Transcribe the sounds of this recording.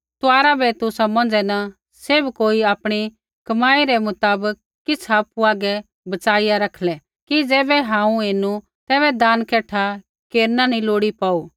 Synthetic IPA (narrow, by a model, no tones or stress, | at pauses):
t̪ʊaːɾabʱɛt̪ʊsamɐ̃nd͡ʒɛnɐ | sebkoːiaːpɽ̃i | kɐmaːiɾɛmʊt̪aːbəkːɪt͡sʰaːpuaːɡɛ | bɐt͡ʃaːɪjaɾɐkʰlɛ | kid͡zɛːbɛɦãːũeːnu | t̪ɛːβɛd̪aːnkɛːʈʰa | keːɾnanĩloːɽipaːu